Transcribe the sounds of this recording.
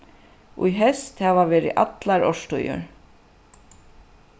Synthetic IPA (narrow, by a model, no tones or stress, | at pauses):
ʊ̰jɦɛst̪hɛːvavɛːɾɪ̰ʔa̰t̪laɾɔʂt̪ujʊ̰ɹ